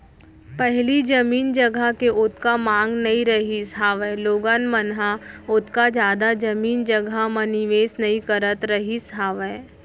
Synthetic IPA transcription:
pɛɦlid͡ʒɐmiːnd͡ʒɐɡʱəkeʔʊt̪ʰkamãːŋɡnɐĩɾɐɦisɦaːʋɛːloːɡənmənɦaʊt̪kad͡ʒjaːd̪ad͡ʒɐmiːnd͡ʒɐɡʱamə̃nɪʋeːsnɐĩkəɾət̪ɾɐɦisɦaːʋɛː

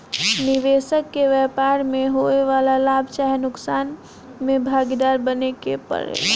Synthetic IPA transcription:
niʋesəkːeʋɛpaɾmeɦoeʋalalabʱt͡ʃaɦenʊksan | mebʱaɡid̪aɾbənekḛpə̰ɾḛ

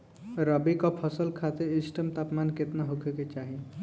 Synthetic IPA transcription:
ɾəbikɔpʰəsəlkʰat̪eisʈəmt̪apmanket̪naɦokʰeket͡ʃaɦi

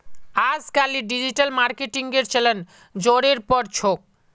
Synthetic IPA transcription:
ad͡ʑkaliɖid͡ʑiʈalmaɾkeʈiŋɡeɾt͡ɕʰelen | d͡ʑoɾeɾpɔɾt͡ɕʰok̚

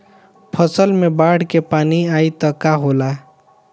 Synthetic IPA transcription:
pʰəsəlmebaɽkepaːniait̪ʌkaɦola

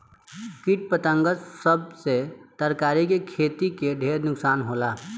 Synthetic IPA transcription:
kiʈ̚pət̪ə̃ŋɡəsəb̚set̪əɾkaːɾikekʰeːt̪ikeɖʱeːɾnʊksaːnɦolaː

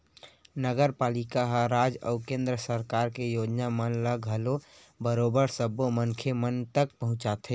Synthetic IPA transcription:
nəɡəɾpaːlikaɦəɾaːd͡ʒɔ̰ʊkẽːnd̪ɾəsəɾkaɾkejod͡ʒnamənləɡʱɦəlo | bəɾoːbəɾsəbomənkʰemənt̪ək̚pəɦʊ̃t͡ʃat̪ʰe

